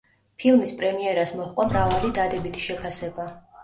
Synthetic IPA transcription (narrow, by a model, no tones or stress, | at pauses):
pʰilˠmispʼɾɛmiɛɾasmɔχqʼamɾavalid̪ad̪ɛbit̪ʰi̥ʃɛpʰasɛba